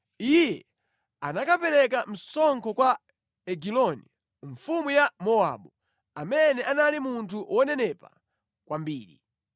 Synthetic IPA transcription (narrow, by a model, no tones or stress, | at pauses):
ijɛ | anakapɛɾɛkam̩sɔŋkʰɔkwa | ɛɡilɔni | ɱfumujamɔa̰ɓu | amɛnɛʔanalimuntʰuwɔnɛnɛpa̰ | kwʔambiːɾḭ